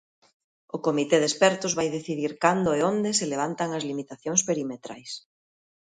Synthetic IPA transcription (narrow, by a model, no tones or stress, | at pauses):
ʊkomit̪eðespɛɾt̪ʊzβajðeθiðiɾkand̪oeond̪eseleβ̞ant̪aŋɐzlimit̪aθjoŋspeɾimet̪ɾa̰js